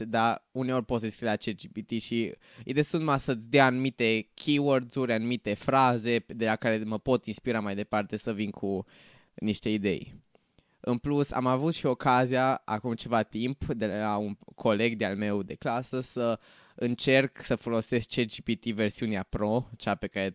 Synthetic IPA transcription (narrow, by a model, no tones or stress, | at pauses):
d̪auneo̞rʲpot̪sd̪eskɾilat͡ʃed͡ʒibit̪iʃi | ḭd̪esunmasət̪sʲd̪eaanumit̪e̞kʲʰiword̪zuɾʲanumit̪e̞fɾaze̞d̪e̞lakaɾe̞məpo̞t̪inspiɾamajd̪e̞part̪e̞səvinkʰu | niʃt̪e̞id̪e̞̰j | ɨ̰nplusa̰mavut̪ʃio̞kazijaa̰kumt͡ʃe̞vat̪impd̪e̞lauŋkʰo̞le̞ɡd̪ealme̞wd̪e̞klasəsə | ɨnt͡ʃe̞rksəfo̞lo̞se̞s̚t͡ʃed͡ʒibit̪ive̞rsiuneapɾo̞t͡ʃape̞kaɾe